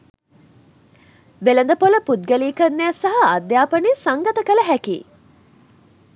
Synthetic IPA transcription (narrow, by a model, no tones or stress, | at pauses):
ʋelənd̪əpoləpud̪̚ɡəliːkənːæːsɐɦɐɐd̪jaːpənisaŋɡɐt̪əkələɦækḭː